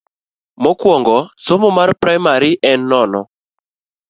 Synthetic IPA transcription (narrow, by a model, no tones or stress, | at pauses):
mɔkwɔŋɡɔsomɔmaɾpɾajmaɾiʔɛnːɔnɔ